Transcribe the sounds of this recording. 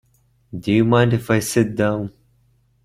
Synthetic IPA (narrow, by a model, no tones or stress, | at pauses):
dɨjɨmãɪ̃ndɨfaɪsɪt̚dãʊ̃n